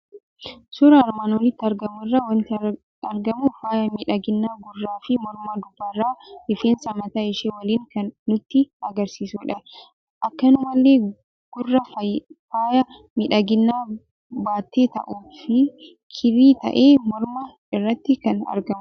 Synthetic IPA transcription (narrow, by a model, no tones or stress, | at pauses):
sʊɾɐːɾmaːnwɔlɪt̪ːɪɐɾɡɐmʊɪrːaːwɐnt̪ | ɐɾɡɐmʊfaːjɐmɪᶑɐɡɪnːaːɡʊrːaːfɪmɔɾmaːd̪ʊbːaːɪrːaːɪfeːnsɐmɐt̪ɐɪʃeːwɐliːŋkɐnːʊt̪ːɪɐɡɐɾsiːsuːᶑɐ | ʔɐkːɐnʊmɐlːe̞ː | ɡ̥ʊrːɐfaːjɐ | mɪᶑɐɡɪnːaː | baːt̪ːeːt̪ɐ̰ʔuːfɪ | kʰɪɾiːt̪ɐ̰ʔeːmɔɾmɐ | ɪrːɐt̪ːɪkɐnɐ̰ɾɡɐmʊ